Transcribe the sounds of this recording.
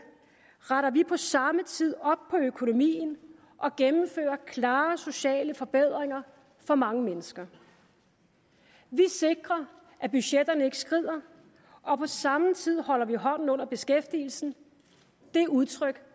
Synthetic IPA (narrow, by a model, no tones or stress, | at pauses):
ʁɑɾɐʋipʰɒ̽sɑ̈mət͡sʰið̞̰ˠɒ̽b̥̚pʰɒ̽økʰo̝no̝mḭːn̩ | ʔɒ̽ɡ̥emm̩fø̰ːɐkʰlɑ̈ːso̝ɕɛ̰ːləfɒ̽b̥eð̞̰ˠʁeŋɐ | fɒ̽mɑ̈ŋəmenəsɡ̥ɐ | ʋise̝ɡ̥ʁɐ | ʔæb̥yɕed̥ɐnəe̝ɡ̥əsɡ̥ʁið̰ˠɐ | ʔɒ̽pʰɒ̽sɑ̈mət͡sʰið̞̰ˠhɒ̽l̰ɐʋiɦɒ̽n̰n̩ɔ̽n̰ɐb̥e̝sɡ̥efd̥ḭːl̩sn̩ | d̥e̝uð̞ˠt͡sʰʁœɡ̥